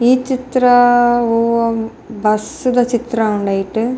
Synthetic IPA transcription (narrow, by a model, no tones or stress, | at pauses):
iːt͡ɕit̪rɐoːɐ | bɐsud̪ɐt͡ɕit̪rɐuɳɖaːjiʈːɨ